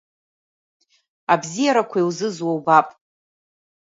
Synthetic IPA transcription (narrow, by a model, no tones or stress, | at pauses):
abzijaɾakʷʰaijwzɨzwawbapʼ